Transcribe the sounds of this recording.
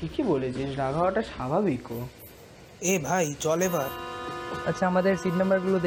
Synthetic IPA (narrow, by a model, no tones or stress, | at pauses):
ʈʰikibolet͡ɕʰiʃɾaɡʱaoaʈaʃabʱabiko | ebʱajt͡ɕɔlebaɾ | ətːɕʰaamad̪eɾsiʈnəmbəɾɡulod̪e